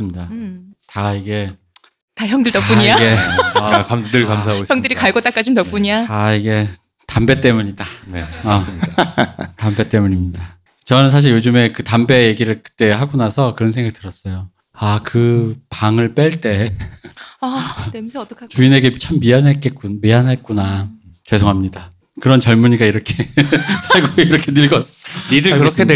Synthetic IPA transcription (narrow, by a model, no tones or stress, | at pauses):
s͈ɯmɲidataiɡe̞ | taçjʌŋdɯɭtʌk͈uɲiaɡe | kamdɯkamsʰaojʌŋdɯɾikaɭɡot͈ak͈ad͡ʑiimtʌp̚k͈uɲiataiɡe̞ | tambe̞t͈e̞muɲidane | tambe̞t͈e̞muɲimɲida | t͡ɕʌnɯns̬ʰaɕ̬ʰiɭjod͡ʑɯme̞kɯtambe̞jeɡiɾɯɭkɯ̥t͈e̞ɦaɡunasʰʌkɯɾʌnsʰeŋɡak̚t͈ɯɾʌs͈ʌjo | akɯpaŋɯɭp͈eɭt͈e̞ | t͡ɕuine̞ɡe̞t͡ɕʰamːianɦek͈ek͈umianɦek͈una | ke̞sʰoɦamɲida | kɯɾʌnt͡ɕʌɭmuɲiɡaiɾʌkʰesʰaɭɡoiiɾʌkʰenɯɭɡʌsʰnidɯkɯɾʌkʰed